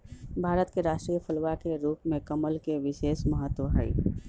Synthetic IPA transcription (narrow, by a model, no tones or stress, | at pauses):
bʱaːɾət̪keɾaːʃʈɾiːjəpʰəlʋakeɾuːpmẽkəməlkeʋɪʃeːʃməɦət̪ːwəɦa̰ḭ